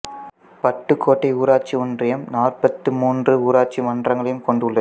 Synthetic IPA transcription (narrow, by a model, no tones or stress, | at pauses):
pɐʈːɯkʰːoːʈːɐɪuːɾaːt͡ʃiɔndrɐjɐmnaːrpɐt̪ːɯmuːndrɯuːɾaːʈ̚t͡ʃimɐndrɐŋɡɐɭɐjɯmkɔɳɖɯɭːɐð